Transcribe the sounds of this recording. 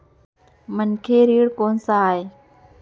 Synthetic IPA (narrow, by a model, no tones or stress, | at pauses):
mənkʰeːɾiːɽkoːnsãːɦeː